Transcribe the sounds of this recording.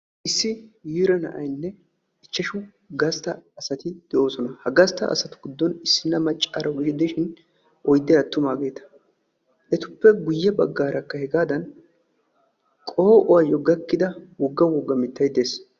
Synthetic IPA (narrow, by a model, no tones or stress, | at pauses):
ʔɪsːɪjiːɾɐnɐ̰ʔɐjnːɛ | ɪt͡ʃːɐʃʊ | ɡɐst̪ɐːsɐt̪ɪd̪̥ɛʔo̞ːsɔnɐhɐɡɐst̪ːɐʔɐ̰sɐt̪ʊ̥ɡɪd̪ːɔnɪsːɪnːɐmɐt͡ʃʼːɐɾɐwɡɪʃɪd̪ɪʃɪn | ɔjd̪ɛɐt̪ːʊmaːɡe̞ːt̪ɐ̥ | ʔɛt̪ʊpːɛɡʊjːɛbɐɡːaːɾɐkːɐhɛɡaːd̪ɐn | kʼoːʔɔwɐjɔɡɐkːɪd̪ɐwɔɡːɐwɔɡːɐmɪt̪ːɐjd̪eːs